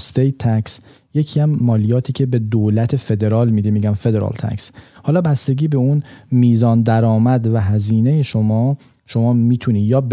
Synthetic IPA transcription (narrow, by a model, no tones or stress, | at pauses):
st̪ejt̪ʰːæks | je̞cʰiæmːɒːlijɒːt̪ʰiːcʰebe̞d̪olæt̪ʰe̞fe̞d̪e̞ɾɒːlmiːd̪imiːɟæmfe̞d̪eɾɒ̰lt̪ʰæ̰kshɒːlɒːbæst̪e̞ɟiːbe̞unmiːzɒːnd̪æɾɒːmæd̪væɦæziːne̞jeʃomɒː | ʃo̞mɒːmiːt̪ʰuniːjɒːb